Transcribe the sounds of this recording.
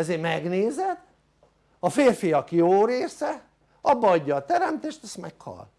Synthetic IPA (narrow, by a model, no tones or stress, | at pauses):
ɛzeːmɛɡneːzɛt̪ː | ɒfeːrfijɒkjoːɾeːsɛ | ɒbːɒɒɟːɒːt̪ɛɾɛmt̪eːʃt̪ɛst̪mɛkhɒ̰l